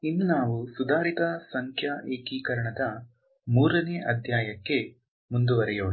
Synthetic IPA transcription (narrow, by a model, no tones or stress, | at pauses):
inːunaːʋusud̪aːɾit̪ɐsɐŋkʰjaːʔeːkiːkɐɾɐɳɐd̪ɐ | muːɾɐneːʔɐd̪ʱjaːjɐkːe̞ | mund̪uʋɐɾɛjoːɳu